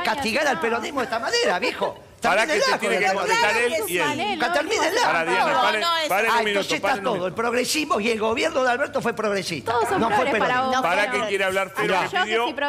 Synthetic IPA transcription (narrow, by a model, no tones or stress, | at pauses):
kast̪iɣaɾalpeɾoðihmoðet̪amaneɾaβixo | t̪eɾaɾneelaɣt̪eaaðetaɾelielukat̪eɾmĩnellaaɾaðjeopaɾeaeãmĩnõnsesp̪at̪oðoelpɾoɣɾesiɦmoielɣo̞βjeɾnoðealβeɾt̪ofwepɾoɣɾesḭt̪anofwepeɾopaɾakejeɾeaβlaɾfeɾoakepiðjo